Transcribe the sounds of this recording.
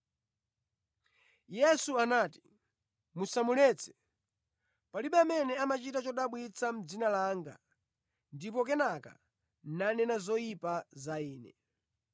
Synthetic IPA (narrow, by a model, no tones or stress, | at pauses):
jɛsuanaːti̥ | musamulɛːt͡sʰɛ̥ | paliɓamɛnɛamat͡ʃitat͡ʃɔɗaɓwit͡sʰam̩d͡zinalaːŋɡa̰ | ndip̬ɔk̬ɛnaka̰ | nanɛnazɔjipazaiːnɛ̰